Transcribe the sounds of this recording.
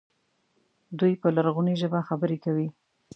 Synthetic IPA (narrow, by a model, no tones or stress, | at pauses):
d̪ujpəlaɾɣuniʒəbaxabəɾekawi